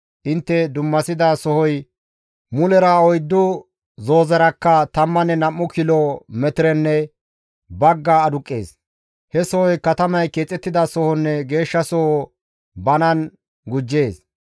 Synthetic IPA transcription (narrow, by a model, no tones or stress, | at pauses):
ʔɪnt̪ːɛd̪ʊmːɐsɪd̪asɔhɔj | mʊlɛɾaɔjd̪ːʊ | zo̞ːzɐɾɐkːɐt̪ɐmːɐnɛnɐmːʊkɪlɔmɛt̪ɪɾɛnːɛ | bɐɡːaːd̪ʊkʼːe̞ːs | hɛsɔhɔjkɐt̪ɐmɐjkeːt͡sʼːɛt̪ːɪd̪ɐsɔhɔnːɛɡe̞ːʃːɐsɔho | bɐnɐn | ɡʊd͡ʒːe̞ːs